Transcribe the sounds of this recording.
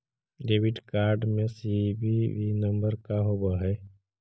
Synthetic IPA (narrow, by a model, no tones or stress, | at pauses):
ɖeːʋɪʈkaːɾɖmẽsibiʋinəmbəɾkaɦobaɦɛː